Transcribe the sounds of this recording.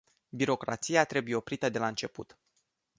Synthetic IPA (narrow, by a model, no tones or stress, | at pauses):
biɾo̞kɾa̰t̪sijat̪ɾe̞buje̞o̞pɾit̪əd̪e̞laɨnt͡ʃe̞pṵt̪